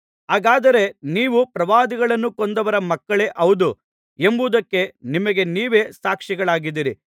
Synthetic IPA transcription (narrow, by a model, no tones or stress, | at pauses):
ɦaːɡaːd̪ɐɾe̞niːʋupɾɐʋaːd̪iɡɐɭɐnːukond̪ɐʋɐɾɐmɐkːɐɭe̞ʔɐʋud̪u | embuːd̪ɐkːe̞nimɐɡe̞niːʋe̞ːsaːkʂiɡɐɭaːɡid̪iɾi